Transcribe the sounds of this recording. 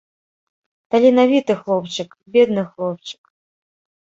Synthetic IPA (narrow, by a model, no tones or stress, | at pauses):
t̪alʲinavʲit̪ɨxlˠɔpt͡ʂɨk | bʲɛd̪̚nɨxlˠɔp̚t͡ʃɨ̥k